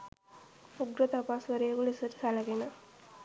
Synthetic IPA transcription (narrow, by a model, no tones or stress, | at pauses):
uɡɾət̪apasʋəɾeːkulisəʈə̥salɐɡena